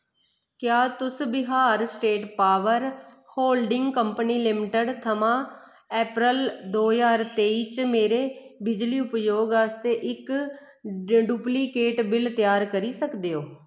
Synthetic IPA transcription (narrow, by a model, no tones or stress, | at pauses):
kjaːt̪ʊsbɪɦaːɾsʈeːʈpaːʋəɾ | hoːlɖɪŋɡkəmpəniːlɪmɪʈəɖt̪ʰəmãː | ɛːpɾəld̪oːjaːɾt̪eːiːt͡ʃmeːɾeːbɪd͡ʒliːʊpjoːɡaːst̪eːʔɪk | ɖjuːpliːkeːʈbɪlt̪jaːɾkəɾiːsəkd̪eːoː